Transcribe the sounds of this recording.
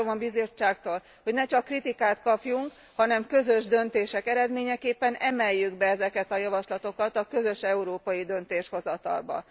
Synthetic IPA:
omɒbizo̞t͡ʃːaːkt̪oːl | ho̞ɟnɛt͡ʃɒkːrit̪ikaːt̪kɒpjuŋk | hɒnɛmkø̞zø̞ʒd̪ønt̪eːʃɛkɛɾɛd̪meːɲɛkeːpːɛnɛmɛjːyɡbɛɛzɛkɛt̪ɒjɒvɒʃlɒt̪o̞kɒt̪ɒkø̞zøʃɛuɾoːpɒjid̪ø̞nt̪eːʃho̞zɒt̪ɒ̰lbɒ̰

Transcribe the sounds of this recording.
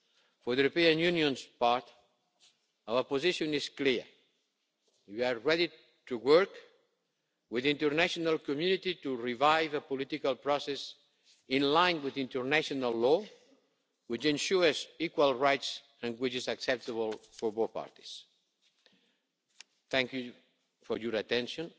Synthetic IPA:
fɔɹðjuɾopiãnjunjõnspaɹt̪ | awəpoziʃɔ̃nɪskliɹ | wiaɹɛdi | t̪uwəɹk | wɪðĩnt̪əɾnaʃonalˠkɔmjunit̪it̪uɹivajvəpɔlit̪ikalˠpɾɔsɛs | ĩnlãj̃nwiðĩnt̪əɾnaʃɔnalːɔ | wit͡ʃɛ̃nʃuɹzikwalˠɹajt̪s | ə̃nwit͡ʃizaksɛp̚t̪əβəlfɔɾbopa̰ɹt̪i̥s | θɛ̃ŋkju | fɔɾjɔɾat̪ɛ̃nʃɔ̃n

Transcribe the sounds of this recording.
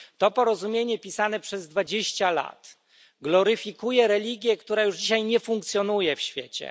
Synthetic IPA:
t̪ɔpɔɾɔzumʲjeɲɛpʲisanɛpʂɛzd̪vad͡ʑeɕt͡ɕala̰t̪ | ɡlɔɾɘfʲikujɛɾɛlʲiɡʲjɛkt̪uɾajuʐd͡ʑiɕajɲɛfuŋkt̪sʲjɔnujɛfɕfʲjḛt͡ɕɛ̰

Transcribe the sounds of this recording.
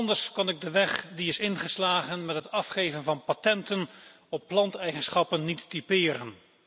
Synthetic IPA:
ndəɹskɑnɪɡ̚dəʋɛχdiɪsɪnχəslaːχənmɛtɦətɑfχejvənvɑnpatɛntən | ɔpːlɑntɛjχənsχɑpənːitdipɪːɾən

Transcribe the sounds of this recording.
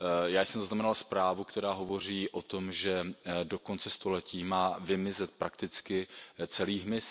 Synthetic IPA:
jaːjsɛmzaznamɛnalspɾaːvukt̪ɛɾaːɦovo̞r̝iːʔo̞t̪o̞mʒɛdo̞ko̞nt͡sɛst̪o̞lɛcʰiːmaːvɪmɪzɛt̪̚pɾakt̪ɪt͡skɪt͡sɛliːɦmɪs

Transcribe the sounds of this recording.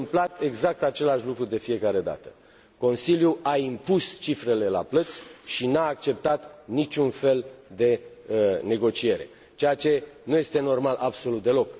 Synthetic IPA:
mplat̪e̞ɡzak̚t̪at͡ʃe̞laʃlukɾud̪e̞fije̞kaɾe̞d̪a̰t̪ə̥ | ko̞nsiljuaimpust͡ʃifɾe̞le̞la̰plət̪sʲʃinaːk̚t͡ʃe̞p̚t̪at̪nit͡ʃʲunfe̞ld̪e̞ | ne̞ɡo̞t͡ʃie̞ɾe̞̰ | t͡ʃe̞jat͡ʃe̞nuje̞st̪e̞no̞rmalʔabso̞lut̪̚d̪e̞lo̞k

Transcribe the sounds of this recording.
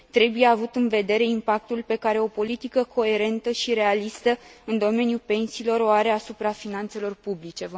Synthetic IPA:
t̪ɾe̞buje̞avut̪ɨnve̞d̪e̞ɾe̞impak̚t̪ulpe̞kaɾe̞o̞po̞lit̪ikəkʰo̞e̞ɾe̞nt̪əʃiɾe̞alist̪əɨnd̪o̞me̞njupe̞nsiːlo̞ɾoaɾe̞asupɾafinant̪se̞lo̞rpublit͡ʃe̞v

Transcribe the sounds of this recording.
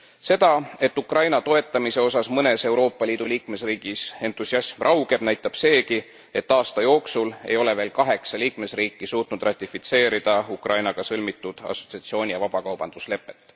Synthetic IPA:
se̞d̪̥ɑe̞t̪ːukrɑjnɑt̪o̞e̞t̪ːˑɑmise̞o̞sɑsmɤne̞se̞wɾo̞ːpːˑɑliːd̪̥uliːkme̞sriːɡ̥ise̞nt̪ːˑusiɑsmrʔɑwɡ̥e̞b̥næjt̪ːˑɑb̥se̞ːki | e̞t̪ːɑːst̪ɑjo̞ːksule̞̰jo̞le̞ve̞ːlkɑɦe̞ksɑliːkme̞sriːkːˑisuːt̪nud̪rɑt̪ʲːˑifit̪se̞ːɾid̪̥ɑukrʔɑjnɑɡ̥ɑsɤlmit̪ːˑud̪̥ɑ̰so̞̥t̪siɑt̪sio̞ːnʲijɑvɑb̥ɑkɑwb̥ɑnd̪̥usle̞pːˑe̞t̪ːˑ

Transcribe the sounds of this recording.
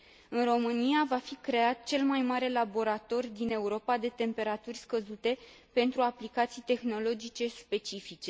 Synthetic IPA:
ɨnro̞mɨnijavafikɾe̞at̪̚t͡ʃe̞lmajmaɾe̞labo̞ɾat̪o̞rʲd̪ine̞uɾo̞pad̪e̞t̪e̞mpe̞ɾat̪urʲskəzut̪e̞ | pe̞nt̪ɾuaplikat̪sijt̪e̞xno̞lo̞d͡ʒit͡ʃe̞spe̞t͡ʃifit͡ʃe̞

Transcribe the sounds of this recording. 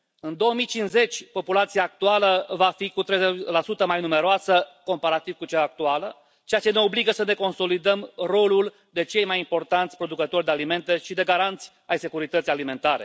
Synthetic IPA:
ɨnd̪o̞womijt͡ʃinze̞t͡ʃʲpo̞pulat̪sijaːk̚t̪ualəvafikut̪ɾejzelasut̪əmajnume̞ɾoasəko̞mpaɾat̪iv̥kut͡ʃaːk̚t̪ualə | t͡ʃeat͡ʃe̞ne̞o̞bliɡəsəne̞ko̞nso̞lid̪əmro̞lul | d̪e̞t͡ʃe̞jmajimpo̞rt̪ant̪ʲpɾo̞d̪ukət̪o̞rʲd̪ealime̞nt̪e̞ʃid̪e̞ɡaɾant̪sʲ | ajse̞kuɾit̪ət̪sijalime̞nt̪aɾe̞̰

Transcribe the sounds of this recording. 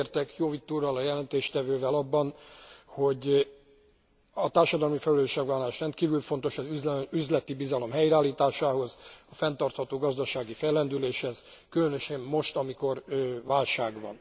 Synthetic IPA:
rt̪ɛkjoːvit̪ːuːrɒlɒjɛlɛnt̪eːʃt̪ɛvøːvɛlɒbːɒnho̞ɟ | ɒt̪aːrʃɒd̪ɒlmifɛlyløːʃɛɡvaːlaːʃrɛnt̪kiːvylfo̞nt̪o̞ʃɒzyzyzlɛt̪ibizɒlo̞mɦɛjɾaːlːiːt̪aːʃaːɦo̞zɒfɛnt̪ɒrt̪hɒt̪oːɡɒzd̪ɒʃaːɡifɛjlɛnd̪yleːʃhɛzkylønøʃɛmmo̞ʃt̪ɒmiko̞rvaːlʃaːɡʋɒ̰n

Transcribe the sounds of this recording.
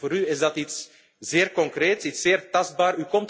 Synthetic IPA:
oːɾyɪzdɑtits | z̥ɪːrkɔŋkreːtsitsːeːrtɑzd̚baːrykɔmt

